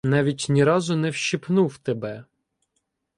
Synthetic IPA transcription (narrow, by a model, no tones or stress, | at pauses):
nɑʋʲitʲnʲiɾɑzʊnɛwʃipnuwt̪ebɛ